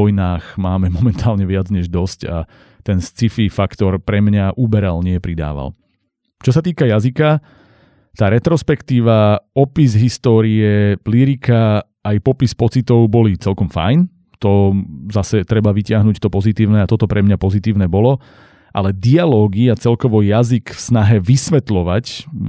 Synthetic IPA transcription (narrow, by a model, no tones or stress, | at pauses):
ɔjnaːxmaːmɛmɔmɛnt̪ʰaːlɲɛʋɪad͡zɲɛʒd̪ɔsca̰ | t̪ɛnst͡sififakt̪ɔɾpɾɛmɲaʔubɛɾalɲɪɛpɾid̪a̰ːʋa̰l | t͡ʃɔsat̪iːkajazika | t̪aːɾɛt̪ɾɔspɛkt̪iːʋaɔpizɦist̪ɔːɾiɛliɾikaː | jpɔpispɔt͡sit̪ɔʊbɔlit͡sɛlkɔmfa̰jn | t̪ɔzasɛt̪ɾɛbaʋicɪaɦnuct̪ɔpɔzit̪iːʊnɛat̪ɔt̪ɔpɾʔɛmɲapɔzit̪iːʊnɛbɔlɔ | ʔa̰lɛd̪ialɔːɡiat͡sɛlkɔʋɔjazikfsnaɦɛʋisʋɛt̪lɔʋac